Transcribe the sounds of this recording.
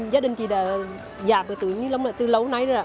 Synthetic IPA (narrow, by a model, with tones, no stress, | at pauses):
zaː˨˦ɗï˨˩ŋ̟t͡ɕi˨˩ɗaː˧˩ | zaː˨˩p̚vəː˨˩t̪ɨ̰˨˧˨ɲɨ˧˦lə˨˧˦wŋ͡mlaː˨˩t̪ɨ˧lə˨˦wna˨˧˦jza˨